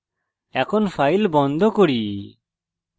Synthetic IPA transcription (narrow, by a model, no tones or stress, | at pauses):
ɛkʰɔnpʰajlbɔnd̪ʱɔkoɽi